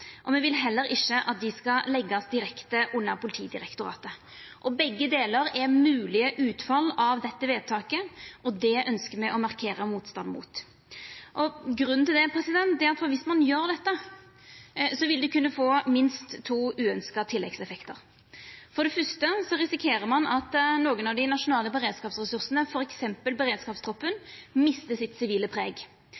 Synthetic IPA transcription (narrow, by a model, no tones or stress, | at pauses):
ʔɔmɛʋɪlɦɛlːəɾɪʃːəʔɑt̪̚d̪ɪskɑlɛɡːɑsd̪ɪɾɛkt̪əʔʊnːəɾpʰʊlɪt̪ʰiːd̪ɪɾɛkt̪ʊɾɑ̰ːt̪ə | ʔɔbɛɡːəd̪eːləɾɛmʉːlɪəʔʉːt̪fɑlːɑʋd̪ɛt̪ːəʋeːd̪̚t̪ʰɑːkəʔɔd̪ɛʔœnskəmɛʔɔmɑʁkʰeːɾəmuːt̪st̪ɑnd̪mṵːt̪ | ʔɔɡɾʉnːn̩t̪ʰɪld̪ɛpʰɾɛsɪd̪ɛnt̪̚d̪ɛɑt̪fɔʋɪsmɑnjøːɾd̪ɛt̪ːə | sɔʋɪld̪ʉkʰʉnːəfoːmɪnst̪ʰːuːʉːœnskɑt̪ʰɪlːɛɡsɛfɛkt̪əɾ | fɔʁd̪ɛfœst̪əsɔʁɪsɪkʰeːɾəɾmɑnɑt̪noːɡənɑʋd̪ɪnɑʂʊnɑːləbəɾeːd̪skɑːpsʁɛsʉɾsənəfɔɾɛksɛmpəlbəɾeːd̪skɑːpst̪ʰɾɔpːənmɪst̪əsɪt̪sɪʋiːləpʰɾeːɡ